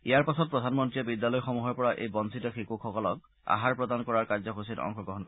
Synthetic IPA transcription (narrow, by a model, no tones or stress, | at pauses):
ijaɹpasɔt̚pɹɔdʱanmɔntɹiɛbidjalɔjxɔmuɦɔɹpɔɹaʔḛjbɔnsʰitɔxikuxʰɔkɔlɔk | a̰ɦaɹpɹɔdankɔɹaɹkaɹzɔkosilɔ̰ŋkxʰɔɡɹɔɦɔnkɔ